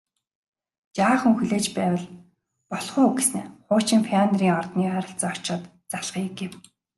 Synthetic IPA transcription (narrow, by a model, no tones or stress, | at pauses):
t͡ɕaːχɵ̆ŋxuɮeːt͡ɕpæːwə̆ɮ | pɔɮχʊːɡesɘ̆ŋχʊːt͡ɕĭŋfʰiant̪riːŋɔrt̪niːæːɾə̆ɬt͡saɔt͡ɕɔːt̪ | t͡saɮχiːɡew